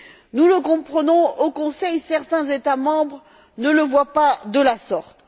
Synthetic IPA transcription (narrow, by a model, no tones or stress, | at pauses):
nuləkɔ̃pχənɔ̃okɔ̃sɛjsɛʁt̪ɛ̃zet̪amɑ̃bʁ | nələvwapad̪əlasɔʁt̪